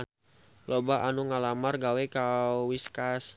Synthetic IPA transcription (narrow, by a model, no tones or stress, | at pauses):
lobaʔanuŋalamarɡawɛkawwiskas